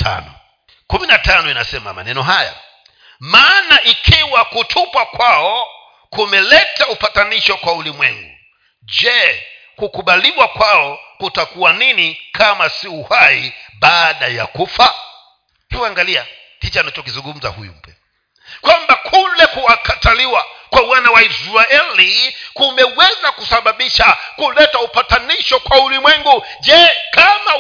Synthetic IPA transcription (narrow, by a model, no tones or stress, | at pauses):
tʰa̰nɔ | kuminatanɔinasɛma̰ma̰nɛnɔɦaja̰ | maːnaʔikʰiwakutʰupwakwaɔ | kumɛlɛtaupataniʃɔkwaulimwɛŋɡu | d͡ʒɛ | kukuɓaliwakwaɔkutakuwaninikʰamasiuhaiɓaːɗaja̰kufa | hivuaŋɡalia̰ | tit͡ʃanat͡ʃɔkizuŋɡum̩za̰hṵjṵm̩pɛ̰ | kwambakʰulɛkuwakataliwakwawanawaizɾaɛlikumɛwɛzakusaɓaɓiʃakulɛtaupataniʃɔkwaulimwɛŋɡu | d͡ʒɛkama